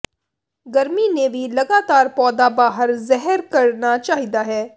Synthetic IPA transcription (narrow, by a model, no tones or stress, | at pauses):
ɡəɾmineʋʱilɐɡaːt̪aːɾpɔːd̪abaːɦəɾzɛɦəɾkɐɾnat͡ʃaːɦid̪aɦɛː